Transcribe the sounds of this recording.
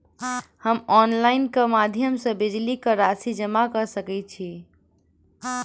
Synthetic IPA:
həmɔnlaɪnkəmad̪ʱjəmsə̃bid͡ʒlikəɾasid͡ʒəmakəsəkɛt͡ʃʰi

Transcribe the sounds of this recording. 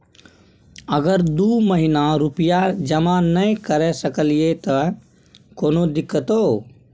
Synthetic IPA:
əɡəɾd̪uːməɦɪnaɾupijad͡ʒəmanəĩkəɾɛsəkəliet̪ə | koːnod̪ɪkːət̪oː

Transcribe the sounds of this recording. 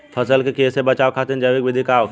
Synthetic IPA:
pʰəsəlkekeːsebət͡ʃaːwkʰat̪ind͡ʒəʋikʋɪd̪ʱikaːʋk

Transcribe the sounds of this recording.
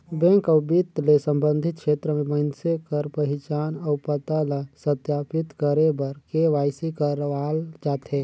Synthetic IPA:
bɛ̃ːŋkəʊbit̪lesə̃mbə̃nd̪ʱɪt̪̚kʃeːt̪ɾəmẽmənsekəɾpəɦɪt͡ʃaːnəʊpət̪aləsət̪jaːpɪt̪kəɾebəɾkeʋaːɪsikəɾʋald͡ʒaːt̪ɦe

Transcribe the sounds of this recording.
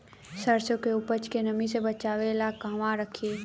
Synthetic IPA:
səɾsõkeʊpət͡ʃkenəmisebət͡ʃaːʋelakaɦmãɾəkʰiː

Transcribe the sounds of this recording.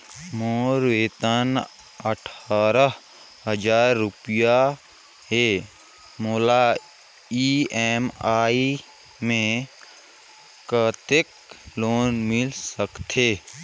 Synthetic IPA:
moːɾʋeːt̪ən | əʈʰaːɾə | ɦəd͡ʒaːɾːʊpɪja | ɦe | moːla | iːɛːmaːi | mẽ | kət̪ek̚ | loːnmɪlsəkt̪ʰeː

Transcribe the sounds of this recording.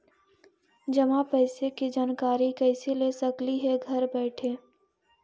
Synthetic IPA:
d͡ʒɐmãpɛɪsekid͡ʒaːnkaːɾikɛɪsilesɐkliɦɛɡʱɐɾbɛːʈʰeː

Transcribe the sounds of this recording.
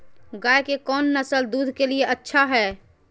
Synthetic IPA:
ɡaekekɔːnːəsəld̪uːd̪ʱkelieʔətːʃʰaɦɛ

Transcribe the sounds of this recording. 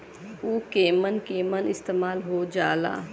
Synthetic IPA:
uːkeːmənkeːmənɪst̪eːmaːlɦod͡ʒaːla̰ː

